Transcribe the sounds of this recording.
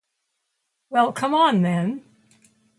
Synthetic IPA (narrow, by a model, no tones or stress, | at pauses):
wɛlˠkʰʌ̃mə̃nðɨ̃n